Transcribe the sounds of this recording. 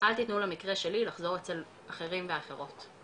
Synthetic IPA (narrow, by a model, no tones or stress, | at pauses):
ʔalt̪it̪nulamikʁeʃe̞lilaχzo̞ʁet͡se̞l | ʔaχe̞ʁimve̞aχe̞ʁo̞t